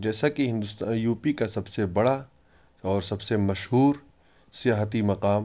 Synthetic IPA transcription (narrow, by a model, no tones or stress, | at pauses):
d͡ʒɛːsakiɦɪ̃nd̪ʊst̪aːjuːpikasɐbsebɐɽa | ɔːɾsɐbsemɐʃhuːɾ | sijaːɦət̪̬imɐqaːm